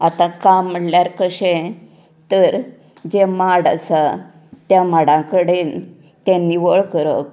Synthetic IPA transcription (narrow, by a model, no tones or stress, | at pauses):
at̪ãkamːəɽljaɾkəɕẽ | t̪əɾ | d͡ʑemaɽa̰t͡sa | t̪jãmaɽãkəɽe | t̪janːiːʋəɭkəɾə̰k